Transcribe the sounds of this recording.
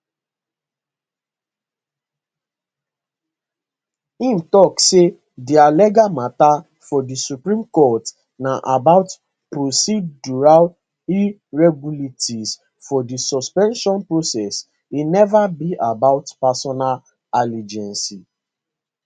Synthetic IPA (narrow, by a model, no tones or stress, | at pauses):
ĩm̩tɔkse | dialɛɡamata | fɔdisupɹĩmkɔt | naʔabaʊt | pɹosiduɹal | i | ɹɛɡuletʰiz | fɔdisɔspɛ̃nʃɔ̃npɹosɛs | winɛvabiʔabaʊtpasɔnal | alid͡ʒɛ̃nsi